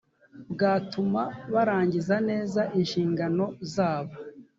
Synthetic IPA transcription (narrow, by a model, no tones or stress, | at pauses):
bɡaːtumaβaɾaːɲɟizane̞ːzaʔinʃiːŋɡano̞zaːβa